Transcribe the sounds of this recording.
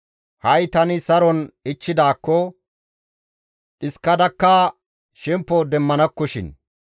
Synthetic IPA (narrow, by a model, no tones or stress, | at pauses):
hɐjt̪ɐnɪsɐɾɔnɪt͡ʃːɪd̪aːkːɔ | ᶑɪskːɐd̪ɐkːɐ | ʃɛmpːɔd̪ɛmːɐnɐkːɔʃɪ̰n